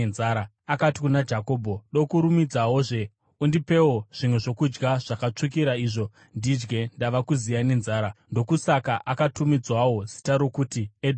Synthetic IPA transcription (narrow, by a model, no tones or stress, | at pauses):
nzaːɾa | akatikunad͡ʒako̞ːbʱo̞ɗo̞kuɾumid͡zawo̞ʐe̞ | undipe̞wo̞ʐ̥imweʐo̞kud͡ʒɡaʐ̥akat͡ʂuk̬iɾaiʐo̞ | ndid͡ʒɡe̞ndaʋakuzijane̞nzaːɾando̞kusakaʔakatumid͡zwawo̞zitaɾo̞kutied